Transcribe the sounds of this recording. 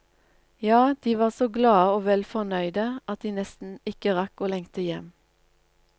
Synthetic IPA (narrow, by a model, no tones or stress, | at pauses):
jɑːd̪̥iːʋɑːʁsoːɡlɑːəoːʋɛlfɔʁnœʏd̪əʔɑt̪̚d̪iːnɛst̪n̩ɪkəʁɑkoːlɛŋt̪əjɛm